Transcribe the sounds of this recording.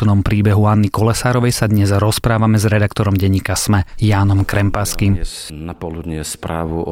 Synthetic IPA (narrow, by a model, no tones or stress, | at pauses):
nɔmpɾiːbɛɦuanːikɔlɛsaːɾɔʋɛjsad̪ɲɛzɾɔspɾaːʋamɛzɾɛd̪akt̪ɔɾɔmɟɛɲːiːkasmɛjaːnɔmkɾɛmpaskim | napɔlud̪ɲɛspɾaːʋu